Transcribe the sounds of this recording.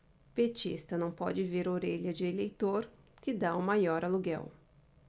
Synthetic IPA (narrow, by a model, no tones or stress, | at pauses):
pet͡ʃḭst̪ɐnɐ̃w̃pɔ̰d͡ʒɪveɾoɾeʎɐd͡ʒɪelejt̪oɾ | kɪd̪aʊmajɔɾɐluɡɛ̰w